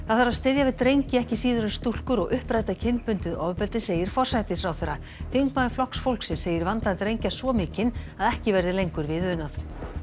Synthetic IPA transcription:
θaθaɾaðst̪ɪðjavɪðt̪ɾejɲcɪɛhcɪsiːðʏɾʏnst̪ul̥kʏɾɔɣʔʏhpɾajt̪acʰɪnpʏnt̪ɪðɔvpɛlt̪ɪseːjɪɾ̥fɔr̥sajt̪ɪsfɾawθɛɾa | θiŋkmaðɪflɔhksfowlksɪnsːeːjɪɾvant̪aðɪt̪ɾejɲcasvɔmɪːcɪnaðɛhcɪvɛɾðɪlejŋkʏɾvɪðʏɪnːaθ

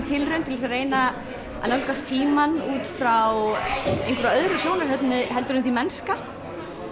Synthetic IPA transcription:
t̪ʰɪlrœnt̪ʰɪlɛs̬areːjna | a̰nawlkast̪ʰiːmanuːt̪fɾawḛjŋkvɾaœðɾʏsjoːwnaɾ̥ɦɛt̪nʏɦɛlt̪ɾʏnt̪imɛnska

